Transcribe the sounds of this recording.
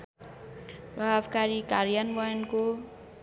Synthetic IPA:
bʱabkaɾikaɾjanbʌjʌnko

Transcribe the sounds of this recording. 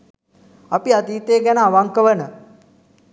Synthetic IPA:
apiat̪iːt̪eːɡænəaʋaŋkəʋənə

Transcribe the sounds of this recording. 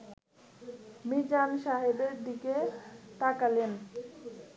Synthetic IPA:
mid͡ʑanʃaɦibeɾd̪ikeʈ̪akalen

